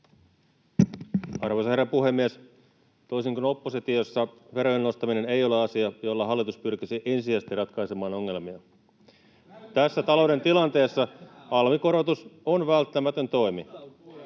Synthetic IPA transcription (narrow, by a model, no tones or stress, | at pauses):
ɑrʋojsɑherːɑpuhe̞mːies | t̪o̞isiŋknopːoset̪iosːɑʋe̞ɾo̞jenːo̞st̪ɑmine̞ne̞jo̞leɑsiɑjo̞lːɑɦɑlːit̪uspyrkisiʔe̞nsiæst̪irɑt̪kɑisemɑːno̞ŋːe̞lmiɑ | t̪æsːæt̪ɑlo̞wde̞nt̪ilɑnt̪e̞ːsːɑɑlmiko̞ɾot̪usonʋælt̪ːæmæt̪ønt̪o̞jmi